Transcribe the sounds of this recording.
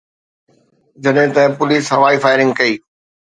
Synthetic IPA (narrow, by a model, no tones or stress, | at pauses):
d͡ʑɐɗɦɪ̃t̪ɐ̃pʊliːsɦɐʋaːifaːɪɾɪ̃ŋɡkɐiː